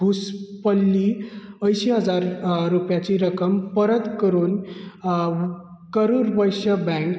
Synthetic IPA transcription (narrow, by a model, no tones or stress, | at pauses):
uspəlːiəjɕiɦəd͡zaɾːupjat͡ɕiɾəkəmpəɾət̪kəɾuːn | kəɾuɾʋəjɕəbɛ̃ŋk